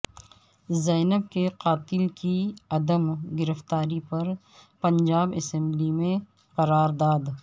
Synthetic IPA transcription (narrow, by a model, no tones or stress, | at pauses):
zɐːnəb̚keqaːt̪ɪlkiɐd̪əmɡɪɾəft̪aːɾipɐɾ | pɐ̃ɲd͡ʒaːbɪsɛ̃mblimẽ | qɐɾaːɾd̪aːd̪